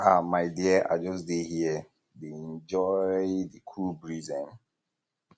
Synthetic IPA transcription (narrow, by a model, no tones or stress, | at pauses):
amaɪdiəa̰ɪd͡ʒɔsdehi | deɛ̃nd͡ʒɔdikʰubɹizɛ̃n